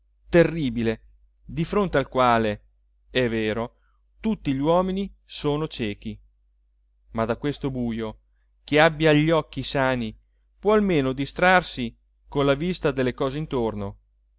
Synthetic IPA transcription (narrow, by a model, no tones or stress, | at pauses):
t̪erːiːbile | d̪ifɾont̪ealkwaːle | ɛvːeːɾo | t̪ut̪ːiʎiwɔːminisoːnot͡ʃɛːk̟i | mad̪akwest̪obuːjo | keabːjaʎːɔkːisaːni | pwɔalmeːnod̪ist̪ɾarsi | konlavist̪ad̪elːekɔːzeint̪orno